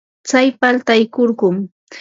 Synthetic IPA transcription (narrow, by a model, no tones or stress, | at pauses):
t͡sajpalt̪ajkoɾɢʊm